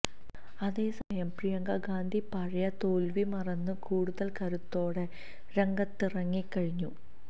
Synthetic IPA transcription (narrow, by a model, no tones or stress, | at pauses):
ɐðe̞ːsɐmɐjɐmprijɐŋɡɐɡaːnd̪ʱipɐɻɐjɐt̪oːlʋimɐrɐnːɨkuːɽuðɐlkɐɾut̪ːo̞ːɽe̞ | ɾeŋɡɐt̪ːirɐŋːikːɐɻiɲːu